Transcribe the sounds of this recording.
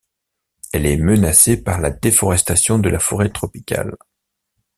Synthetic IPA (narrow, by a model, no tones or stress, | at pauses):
ɛlɛmənasepaʁlad̪efɔʁɛst̪asjɔ̃d̪əlafɔʁet̪χɔpikʲa̰l